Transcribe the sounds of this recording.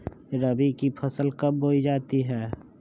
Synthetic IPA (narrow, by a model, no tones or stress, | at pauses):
ɾəbikipʰəsəlkəbːoːid͡ʒaːt̪iɦɛː